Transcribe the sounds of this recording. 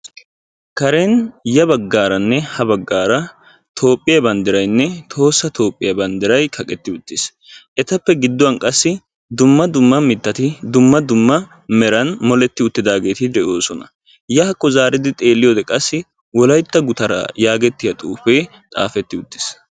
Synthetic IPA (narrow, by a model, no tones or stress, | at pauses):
kɐɾɛnjɐbɐɡːaːɾɐnːɛhɐbɐɡːaːɾɐ | t̪ʰo̞ːpʼːɪjɐbɐnd̪ɪɾɐjnːɛt̪ʰo̞ːsːɐt̪ʰo̞ːpʼːɪjɐbɐnd̪ɪɾɐjkʰɐkʼɛt̪ːɪʊt̪ːɪs | ʔɛt̪ɐpːɛɡɪd̪ːʊwɐnkʼɐsːɪ | d̪ʊmːɐd̪ʊmːɐmɪt̪ːɐt̪ɪd̪ʊmːɐd̪ʊmːɐ | mɛɾɐnmɔlɛt̪ːɪʊt̪ːɪd̪aːɡe̞ːt̪ɪd̪ɛʔo̞ːsɔnɐ̰ | jɐhɐkʼːɔzaːɾɪd̪ɪt̪ʼe̞ːlːɪjoːd̪ɛkʼɐsːɪ | wɔlɐjt̪ːɐɡʊt̪ɐɾɐ̰jaːɡɛt̪ːɪjɐt̪ʼuːfeː | t̪ʼa̰ːfɛt̪ːɪʊt̪ːɪ̥s